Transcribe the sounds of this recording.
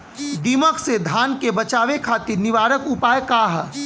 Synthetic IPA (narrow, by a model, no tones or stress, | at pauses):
d̪iːməksed̪ʱaːnkebɐt͡ʃaːʋekʰaːt̪ɪɾnɪʋaːɾəkʊpaːjkaːɦ